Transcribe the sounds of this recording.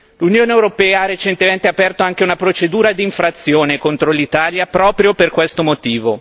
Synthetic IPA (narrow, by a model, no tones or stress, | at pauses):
lunjoːneewɾopɛːaarːet͡ʃent̪ement̪eapɛrt̪oaŋkeunapɾot͡ʃed̪uːɾad̪iːɱfɾat̪sːjoːnekont̪ɾolit̪aːljapɾɔːpɾjoperkwest̪omot̪iːvo